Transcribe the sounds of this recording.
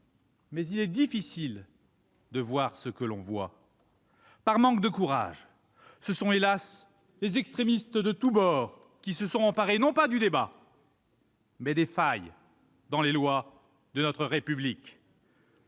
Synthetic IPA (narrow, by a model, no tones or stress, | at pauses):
mɛzilɛd̪ifisil | d̪əvwaʁsəkəlɔ̰̃vwa̰ | paʁmɑ̃k̚d̪əkuʁa̰ʒ | səsɔ̃elas | lezɛkst̪χemist̪d̪ət̪ubɔʁ | kʲisəsɔ̃ɑ̃paʁenɔ̃pad̪yd̪eba | mɛd̪efaj | d̪ɑ̃lelwa | d̪ənɔt̪χəʁepyblik